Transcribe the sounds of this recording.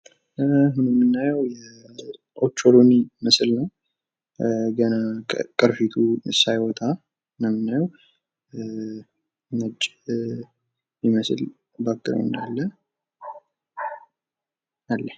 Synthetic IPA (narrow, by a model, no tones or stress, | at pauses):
ɦunmːɨnːajəwjɛ | ʔot͡ʃːoɾoniməslnəw | ɡənakʼɨɾfit̪ʰusajwɔt̪ʼa | nəmːɨnːajəw | ŋət͡ʃʼː | jiməsl | bakʼːɨɾə̰wɨ̰nd̪alːə | ʔalːə